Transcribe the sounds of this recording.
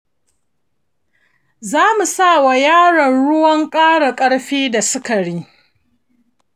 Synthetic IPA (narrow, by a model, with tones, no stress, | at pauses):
zaː˦mu˨sa˦˨wa˨jaː˦ɽɐ˨nɽʊ˦wɐ˦ŋkʼaː˦ɽa˨kʼɐ˦ɽɸiː˦da˨sʊ˦ka˨ɽiː˦